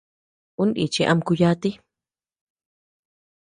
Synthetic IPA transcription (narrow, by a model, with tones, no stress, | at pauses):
ũ˦ndḭ˨t͡ʃi˧ʔa˧mku˧ja˦t̪i˦